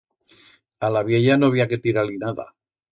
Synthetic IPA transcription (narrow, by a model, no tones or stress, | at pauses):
alaβje̞ʎanoaβ̞iake̞t̪iɾalinaða̰